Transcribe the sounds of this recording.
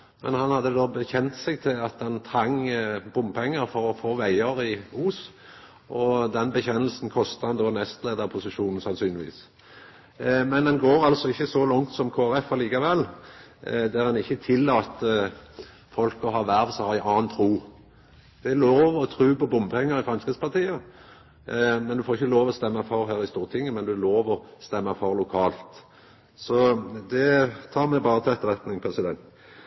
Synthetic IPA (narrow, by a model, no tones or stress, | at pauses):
mɛ̰nhɑnhɑd̪ːəd̪oːbəçɛnt̪sɛɡ̚t̪ʰɪlɑt̪d̪ɑnt̪ʰɾɑŋbʊmːpʰɛŋːəɾfɔɾɔfoːʋæɪəɾɪuːs | ʔɔd̪ɛnbəçɛnəlsn̩kʰɔst̪əhɑnd̪oːnɛst̪leːd̪ɑʁpʰʊsɪʃuːnn̩sɑnsyːnlɪʋḭːs | mɛnd̪ɛnɡoːɾɑlsɔɪçːəsɔlɔŋt̪sɔmkʰoːæɾɛfɑliːkɑʋɛlː | d̪æɾɑnɪçːət̪ʰɪlːɑːt̪ə | fɔlkɔɦɑːʋæɾʋ̪sɔhɑːɪʔɑːnt̪ʰɾuː | d̪̥ɛæloːʋɔt̪ʰɾʉːpɔbʊmpʰɛŋːəɾɪfɾʁɑnskɾəspʰɑʁt̪ʰiːə | mɛnd̪ʉfoːʁɪçːəloːʋɔst̪ɛmːɑfɔɾɦæːɾɪst̪uːʁt̪ʰɪŋːəmɛnd̪ʉloːʋɔst̪ɛmːɑfɔɾlʊkʰɑːlt̪ | sɔd̪ɛt̪ʰɑːmɛbɑːɾət̪ʰɛɛt̪ːəʁɛt̪nɪŋpʰɾʁɛsɪd̪ɛnt̪